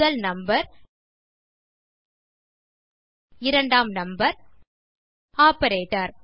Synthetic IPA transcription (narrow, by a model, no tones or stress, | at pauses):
ɐlnɐmbɐɾ | ɪɾɐɳɖaːmnɐmbɐɾ | aːpɐɾeːʈɐɾ